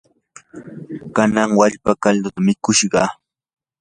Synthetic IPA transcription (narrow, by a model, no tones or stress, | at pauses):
kanaŋwaʎpakald̪ʊt̪amɪkʊʃɢɑ